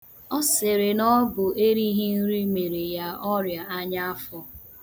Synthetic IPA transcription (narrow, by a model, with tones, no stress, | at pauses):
ɔ˦se˨ɾe˨nɔ˦bʊ˨ʔe˦ɾi˦ɦi˦n̩˦ɾi˦me˨ɾe˨ja˨ɔ˦ɾja˨a˦ɲa˦a˦fɔ˦